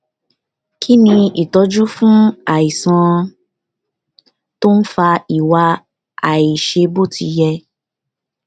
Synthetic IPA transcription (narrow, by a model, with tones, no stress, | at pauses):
kʰi˦nĩ˧i˨tɔ˧d͡ʒu˦fũ˦a˦˨i˨sã˨˧ | to˦n̩˦fa˧i˨wa˧ | a˨i˨ʃe˧bo˦˨tʰi˧jɛ˧